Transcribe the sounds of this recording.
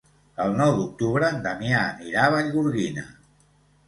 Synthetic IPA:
əlˠnɔwd̪uk̚t̪uβɾənd̪əmjamiɾaβəʎɣuɾɣinə̰

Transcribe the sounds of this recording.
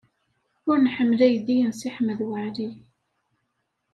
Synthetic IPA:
ʊɾnħəmːlæjðijənsiħməðwəʕli

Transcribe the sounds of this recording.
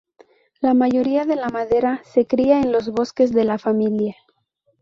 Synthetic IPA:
lamaʝo̞ɾiaðe̞lamaðe̞ɾase̞kɾiaenlo̞zβo̞ske̞zðe̞lafamilja

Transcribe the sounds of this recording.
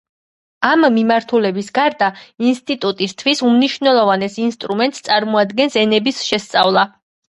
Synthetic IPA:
amːimaɾt̪ʰulɛbisɡaɾd̪ainst̪ʼit̪ʼut̪ʼist̪ʰwisumniʃwvnɛlˠɔvanɛsinst̪ʼɾumɛnt̪st̪sʼaɾmɔad̪ɡɛnsɛnɛbisʃɛst̪sʼavlˠa

